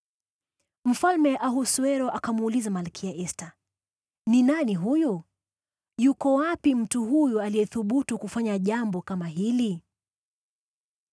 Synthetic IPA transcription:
m̩falmɛʔaɦuswɛɾɔʔakamuulizamalkʰiaʔɛsta | ninaniɦuju | jukɔwapim̩tuhujualijɛθuɓutukufaɲaʄambɔkamaɦili

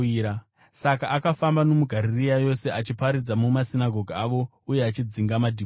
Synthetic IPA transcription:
ɾa | sakaakafambano̞muɡʱaɾirijajo̞se̞ʔat͡ʃipaɾid͡zamumasinaɡʱo̞ɡʱaaʋo̞ | uje̞at͡ʃid͡ziŋɡamadʱi

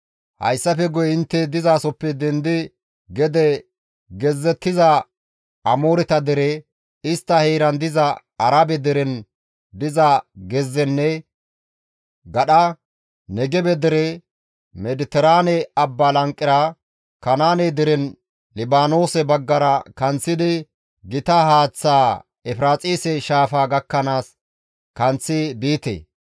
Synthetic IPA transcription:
hɐ̰jsːɐfɛɡɔjɛɪnt̪ːɛd̪ɪzaːsɔpːɛd̪ɛnd̪ɪ | ɡɛd̪ɛ | ɡɛzːɛt̪ːɪzɐ | ɐmo̞ːɾɪt̪ɐd̪ɪɾɛ | ɪst̪ːɐheːɾɐnd̪ɪzɐ | ɐɾɐbɛd̪ɪɾɛn | d̪ɪzaɡɛzːɛnːɛ | ɡɐɗɐ | nɛɡɛbɛd̪ɪɾɛ | mɛd̪ɪt̪ɛɾaːnɛɐbːaːlɐŋkʼːɪɾɐ | kɐnaːnɛd̪ɪɾɛn | lɪbaːno̞ːsɛbɐɡːɐɾɐkɐnt͡sːɪd̪ɪ | ɡɪt̪aɦaːt͡sːaː | ɛfɾaːt͡sʼiːsɛʃaːfaːɡɐkːɐnaːs | kɐnt͡sːɪbiːt̪ḛː

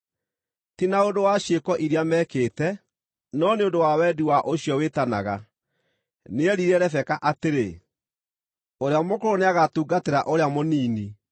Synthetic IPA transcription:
tinaodowaɕekɔʔiɾiamɛkeːtɛ | nɔneõndowawɛdiwaʔoɕjɔwetana̰ɣa | neɛɾiɾɛɾɛfɛkaʔateɾe | oɾeamokoɾoneaɣatuːɡateɾaʔoɾeamoniːni

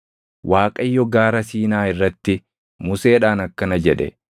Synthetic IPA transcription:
wʔaːkʼɐjːɔɡaːɾɐsiːnaːɪrːɐt̪ːɪ | mʊse̞ːᶑaːnɐkːɐnɐd͡ʒɛᶑɛ̰

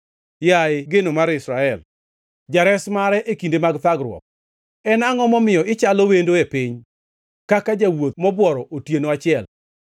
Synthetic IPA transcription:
jaɪɡenomaɾɪsɾaɛl | d͡ʒaɾɛsmaɾɛʔekindemaɡt̪aɡɾwɔ̰k̚ | ɛnaŋɔmɔmɪjɔɪt͡ʃalowendoepɪɲ | kakad͡ʒawot̪mɔbwɔɾɔʔotjenoat͡ʃɪɛl

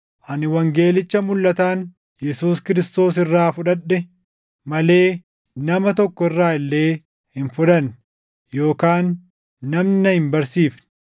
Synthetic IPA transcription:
ʔɐnɪwɐŋɡe̞ːlɪt͡ʃːɐmʊlːɐt̪aːn | jɛsuːskɪɾɪst̪o̞ːs̬ɪrːaːfʊᶑɐɗːɛ | mɐle̞ː | nɐmɐt̪ɔkːɔɪrːaːɪlːe̞ː | hɪnfʊᶑɐn | jo̞ːkaːnː | ɐmnɐhɪmbɐɾsiːfnɪ̥

